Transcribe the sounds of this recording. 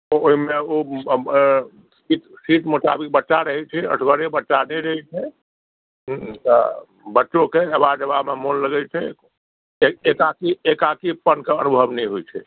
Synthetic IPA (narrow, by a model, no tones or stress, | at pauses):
ooɦimeo | siʈ | siʈmuʈ̪a̰bik̚bətːʃaɾəɦɛt͡ʃʰɛə̰ʈʰɡəɾebətːʃanɛjɾəɦɛt͡ʃʰɛ | t̪ɔ | bətːʃõkeəbad͡ʒəbamemonləɡɛjt͡ʃʰɛ | eekakiekakipənkeənubʱəbnɛjɦojt͡ʃʰɛ̰